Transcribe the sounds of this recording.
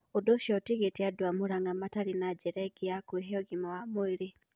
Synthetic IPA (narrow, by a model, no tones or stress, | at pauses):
odoʃɔtiɣeteadwamuɾaŋɡamataɾinad͡ʒeɾɛɡiakweɦeɔɡimawamoiɾi